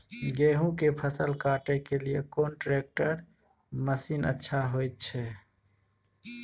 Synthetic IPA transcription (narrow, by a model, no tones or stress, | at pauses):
ɡeɦũkepʰəsəlkaʈekelijekonʈɾek̚ʈəɾ | məsinə̰tːʃʰaɦojt̪̚t͡ʃʰɛ